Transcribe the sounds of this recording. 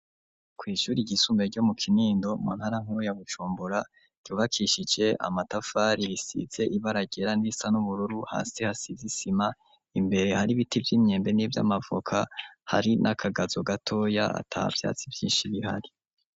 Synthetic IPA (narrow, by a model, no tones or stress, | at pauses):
kwiːʃuɾiɟisumbe̞ɟo̞mukʰiniːndo̞mṵːnhaɾaŋ̥huɾujaɡut͡ʃuːmbuɾa | ɟ̥uːβakʰiʃid͡ʒe̞ʔa̰matafaɾiɾisḭze̞ʔiβaɾaɟe̞ɾanisanuβuɾuɾuha̰ːsehasizisima | imbe̞ɾe̞haɾiβitivjiːmɲe̞ːmbe̞nivja̰mavukʰaha̰ɾinʔakʰaɡazoɡatʰo̞ja̰a̰tʰa̰ːa̰v̥ja̰ːt͡sivjiːnʃiβiha̰ɾi